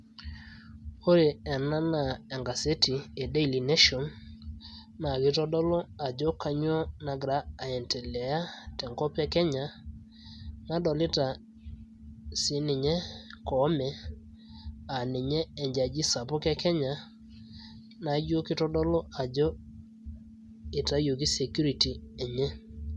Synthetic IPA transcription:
o˦ɾe˨ɛ˨na˦na˨ɛ˨ŋɡa˨se˦ti˨e˨de˦i˨li˨ne˦ʃɔ˨n | na˨kɪ˦tɔ˦dɔ˦lɔ˦a˨d͡ʒo˦ka˨ɲ˦ɔ˦na˨ɡɾaː˦˨ɛ˨ntɛ˨lɛ˨a˦tɛ˨ŋkɔ˦pɛ˦kɛ˦ɲa˨ | na˦dɔ˨lɪ˦ta˨ | sɪ˨˦nɪ˨ɲɛ˦kɔ˨˦mɛ˨ | a˨nɪ˨ɲɛː˦˨ɲd͡ʒa˨d͡ʒi˦sa˨pɔ˦kɛ˦kɛ˦ɲa˨ | na˨˦d͡ʒo˦kɪ˦tɔ˦dɔ˦lɔ˦a˨d͡ʒɔ˦ | ɪ˨ta˨˦jo˨ki˦se˨kju˦ɾi˨ti˨ɛ˨ɲɛ˦

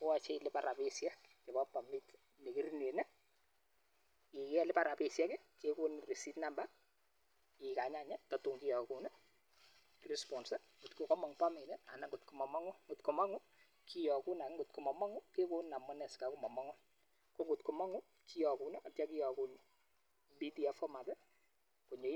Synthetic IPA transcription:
ko˦a˨t͡ʃɛ˦i˨lɪ˦pa˨ɾʔa˨pe˦sja˦kke˨bɔ˦pa˨mi˦t | ne˨ki˦ɾine˨nɛ˦ | i˨kɛ˦lɪ˦pa˨ɾa˨pe˨sjɛ˦kɛ˦ke˦ku˦nri˨si˦tna˦mba˦ | ɪ˨ka˨ɲa˦˨ɲɛ˦tɔ˨tu˨ŋki˦jɔ˨ku˨nɛ˦ | rɛ˨spɔ˨nsɛ˦ | ɡu˨tku˨kɔ˦mɔ˨ŋpa˦me˨nɛ˦a̰˨na˦ŋɡʊ˨t̚ku˨mɔ˨mɔ˦ŋʊ˦ŋɡʊ˨tko˨mɔ˦ŋʊ˦ | kʰi˦jɔ˨ku˦na˨˦ŋɡʊ˨t̚ku˨mɔ˨mɔ˦ŋʊ˦ke˦ku˦nːa˨mɔ˦nɛ˨ska˨ku˦mɔ˨mɔ˦ŋʊ˦n | ko˦ŋɡʊ˨tko˨mɔ˦ŋʊ˦ | ki˦jɔ˨ku˨na˦a˨tja˦ki˦jɔ˨ku˨n | bi˦ti˨a˨fɔ˦ma˨tɛ˦ | ko˨ɲo˨

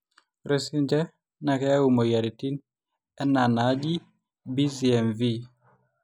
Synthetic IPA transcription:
ɾe˦si˦nd͡ʒɛ˦ | na˨kɛ˦u˨mo˨ja˨ɾi˨ti˦n | ɛ˦na˨na˨˦d͡ʒi˦ | bi˦ziɛ˨mvi˦

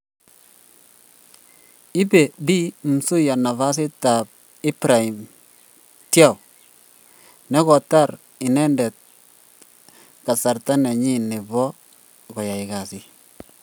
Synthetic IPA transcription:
i˦pe˨bi˦m̩˨su˦ja˨na˨fa˦s̬i˦ta˨p̚ | i˦pɾa˨i˨m | tja˦˨w | nɛ˦kɔ˨ta˦˨ɾ | ɪ˨nɛ˦ndɛ˨t̚ | ka˨sa˨ɾta˦nɛ˨ɲi˦˨ni˨bɔ˦ | kɔ˨ja˨ɪ˨ka˨si˦

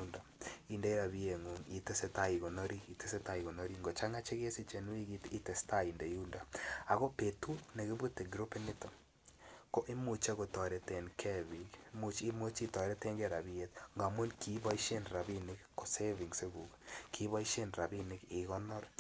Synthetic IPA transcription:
u˦nda˨i˨nde˨˦i˦ɾa˨βi˦e˨ŋu˨ŋi˨te˦se˦ta˨i˨ɣo˨nɔ˦ɾi˦ki˨te˦se˦ta˨i˨ɣo˨nɔ˦ɾi˦ŋɡo˨t͡ʃa˦ŋa˦t͡ʃe˦ɣe˦si˦t͡ʃe˨nwi˦ki˦ti˦te˨sta˦i˨nde˨ju˦nda˨a˨ɣo˦pe˨tu˦ne˨ɣe˦βu˦te˨ɡɾo˦pe˦nɪ˦to˨ | ko˦ʔe˦mu˨t͡ʃe˦ɣo˨tɔ˨ɾe˨te˨nkʰe˦βi˨kmu˨t͡ʃi˦mo˦t͡ʃi˦tɔ˨ɾe˦te˦ŋɡe˦ɾa˨βi˦e˦t̪ŋɡa˨mo˦nkʰi˨˦βa˦i˦ʃe˦nɾa˨βi˦ne˦kko˨se˦vi˨ŋse˦ɣu˨kkʰi˨βa˦i˦ʃe˦nɾa˨bi˦ne˦kɪ˨ɣɔ˦nɔ˦ɾ

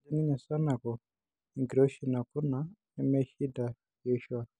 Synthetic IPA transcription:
d͡ʒi˦ni˦ɲa˨sa˦na˨kɔ˨ | i˨ŋɡiɾo˦ʃi˦˨na˨ku˦na˨˦ | ɛ˦mɛ˦ʃi˦da˨ | jɔ˦ʃu˦wa˨

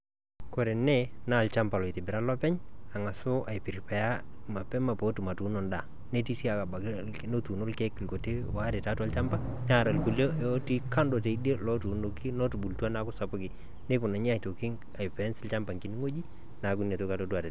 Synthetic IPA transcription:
kɔ˨ɾe˨nɛ˦na˦˨lt͡ʃa˦mpa˨lɔ˨i˨tɪ˨bɪ˨ɾa˦lɔ˦pɛ˦ɲa˨ŋa˨so˦ʔa˨i˨pɪ˨ɾpa˨ja˦ | ma˨pɛ˦ma˨po˨˦tu˨ma˨tu˨˦nɔ˨nda˨ | ne˦ti˦si˦a˨ka˨ba˨ | no˦tu˨no˦lkɛ˦kːɪ˨lko˨te˦wa˦ɾɪ˨ta˦tu˦a˦lt͡ʃa˦mpa˦ɲa˦˨ɾa˨lku˨lo˦ɛo˦ti˦ka˦ndo˨te˨i˦de˦lɔ˦tu˨no˨ki˦nɔ˦tu˨bu˨ltu˦a˦na˦kʊ˦sa˨pʊ˦kɪ˨ | ne˦kʊ˨na˨ɲi˦a˨i˨to˨kɪ˦ŋ | a˨ipɛ˨˦nsɪ˦lt͡ʃa˦mpa˨ŋki˨˦n˦ŋo˦d͡ʒi˦ | na˨ku˦n˨e˨to˦ka˨totu˦a˨tɛ˨

